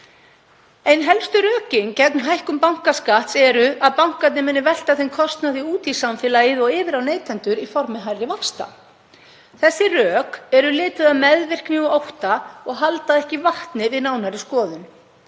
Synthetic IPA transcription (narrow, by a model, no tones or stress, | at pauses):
ejnɦɛlst̪ʏɾœːcɪŋcɛt̪nɦajhkʏmpawŋ̥kaskaht̪sɛɾʏʔaðpawŋ̥kat̪nɪmɛnːɪvɛl̥t̪aθenkʰɔst̪naθiuːt̪ʰisamfɪːlaɪðɔɣɪːvɪɾawneːjt̪ʰɛnt̪ʏɾifɔɾmɪɦajɾɪvakst̪a̰ | θɛsːɪrœːkɛɾʏlɪːt̪ʏðaðmɛðvɪr̥kniɣʏowht̪aɔɣɦalt̪aðɛhcɪvaht̪nɪvɪðnaːwnaɾɪskɔːðʏn